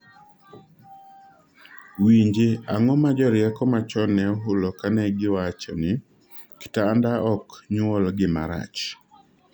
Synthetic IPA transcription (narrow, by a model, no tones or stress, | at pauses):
wiɲd͡ʒeaŋɔmad͡ʒɔɾjɛkɔmat͡ʃɔnɛɔɦʊlɔkanɛɡɪwat͡ʃɔnɪ | kɪ̥taːndaʔɔkɲɔlɡɪma̰ɾa̰t͡ʃ